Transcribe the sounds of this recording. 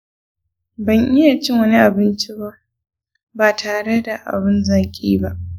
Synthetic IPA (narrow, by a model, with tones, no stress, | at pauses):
bɐ˨ɲʔɪ˦jaː˨t͡ʃɪ˦ŋwɐ˦ni˦ʔa˨bɪ˦nt͡ʃi˦ba˦ | baː˨tʰaː˨ɽe˦da˨ʔa̰˨bɪ˦nzaː˨kʲʼḭː˦ba˦ʔ